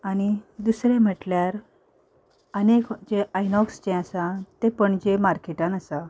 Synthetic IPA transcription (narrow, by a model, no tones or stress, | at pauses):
añid̪usɾẽm̤əʈljaɾ | ənekd͡ʑeʔajnɔksd͡ʑẽəsãt̪epəɳd͡ʑemaɾkeʈãnəsa